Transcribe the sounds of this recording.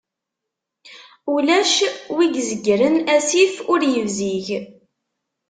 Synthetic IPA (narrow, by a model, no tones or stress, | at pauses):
ulæʃwiɡzəɡːɾənæsifʊɾjəvziʝ